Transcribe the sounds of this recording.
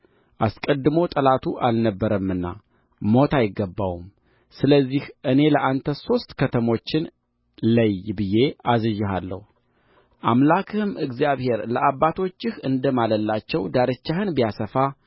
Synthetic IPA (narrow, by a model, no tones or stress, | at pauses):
ʔaskʼəd̪ːɨmo̞t̪ʼəlat̪ʰuʔalnəbːəɾəmːɨnːa̰ | mo̞t̪ʰajɪɡːəbːawum | sɨləzːihʔɨne̞ləʔant̪ʰəso̞st̪ʼkʰət̪ʰəmo̞t͡ʃːɪn | ləjbɨje̞azɨʒːɪɦalːə̰hu | ʔamlakʰɨhɨmɨɡzijaβhe̞ɾləabːat̪ʰo̞t͡ʃːɪhɨnd̪əmaləlːat͡ʃːɛwd̪aɾɨt͡ʃːahɨnbijasəfa